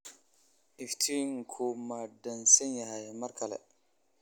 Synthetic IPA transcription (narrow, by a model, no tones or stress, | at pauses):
iftʰiŋkʰomadansɛnjahajamaɾkʰalɛ̰